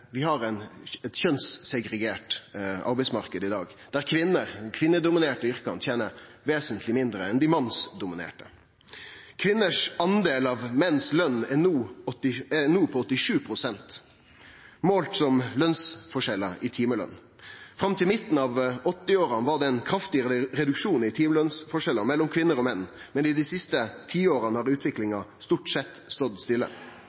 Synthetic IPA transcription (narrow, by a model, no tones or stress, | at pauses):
ʋɪhɑɾɛnɛt̪çœnssɛɡɾɛɡeːʈɑ̰ɾbɛɪsmɑʁkəd̪ɪd̪ɑːɡd̪̥æʁkʰʋɪnːəʁkʰʋɪnːəd̪ʊmɪneːʈəʏɾkɑ̰nt̪ʰjeːnə | ʋeːsənt̪ʰlɪmɪnd̪ɾəɛnd̪ɪmɑnːsd̪ʊmɪnḛːʈə | kʰʋɪnːəʂɑnd̪eːlɑʋmɛnːslœnːɛnuːɔt̪ːɪɛnuːpʰɔɔt̪ːɪʂʉːpʰɾʊsɛnt̪ | moːlt̪sɔmlœnsfɔʂɛlːəɾɪt̪ʰiːməlœ̰n | fɾɑmt̪ʰɪlmɪt̪ːn̩ɑːʋɔt̪ːɪoːɾɑnʋɑd̪ɛɛnkʰɾɑft̪ɪɾɛd̪ʉkʂuːnɪt̪ʰiːməlœnsfɔʂɛlːəɾmɛlːɔmkʰʋɪnːəɾɔmɛnːmɛnɪd̪isɪst̪ət̪ʰiːoːɾɑnəhɑːɾʉːt̪ʋɪklɪŋɑst̪uʈsɛt̪ːst̪ɔd̪st̪ɪlːə̰